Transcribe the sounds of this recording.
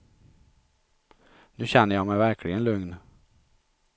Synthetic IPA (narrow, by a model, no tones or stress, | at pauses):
nʉ̟ːɕɛnːəjɑmɛjvæɾkʰlɪɡənlɵŋn